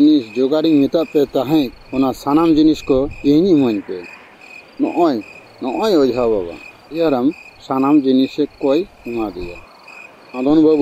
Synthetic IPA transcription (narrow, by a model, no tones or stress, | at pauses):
nisd͡ʒɔɡaɾiŋmit̪aʔpɛt̪aɦɛ̃t̚ɔnasanamd͡ʒiniskɔiɲuməɲpɛ | nɔ̰ʔɔj | nɔʔɔjɔd͡ʒʱabaβa̰ | ijaɾamsanamd͡ʒinisɛkɔj | umad̪ɛ̰ja̰ | ãd̪ɔnbab